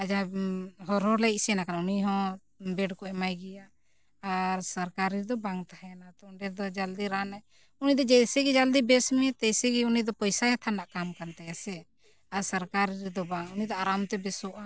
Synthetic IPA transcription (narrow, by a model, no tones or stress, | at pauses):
ad͡ʒaɦɔɾɦɔ̃lɛsiɛnakanauniɦɔ̃ | bɛɖkɔɛmajɡɛjaː | ɾsəɾkaɾiɾd̪ɔbaŋt̪aɦɛnat̪ɔɖɛɾd̪ɔd͡ʒald̪iɾanaj | unid̪ɔd͡ʒɛjsɛɡid͡ʒald̪ibɛsmɛɛt̪ɛjsɛɡiunid̪ɔpɔjsaɦɛt̪ʰanːaʔkamkant̪ɛjasɛ | aɾsəɾkaɾiɾd̪ɔbaŋunid̪ɔaɾamt̪ɛbɛsɔʔa